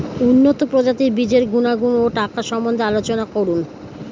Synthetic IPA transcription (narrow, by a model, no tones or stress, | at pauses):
unːot̪opɾod͡ʑat̪iɾbid͡ʑeɾɡunaɡunoʈakaʃɔmbond̪ʱealot͡ɕonakoɾun